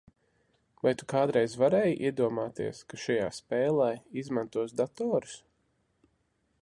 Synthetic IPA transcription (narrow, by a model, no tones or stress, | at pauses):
vajt̪u̥kaːd̪ɾɛjzvaɾɛːjʔḭɛd̪uɔmaːt̪ḭɛskaʃaja̰ːspɛːlˠajizmãnt̪uɔs̬d̪at̪ɔːɾu̥s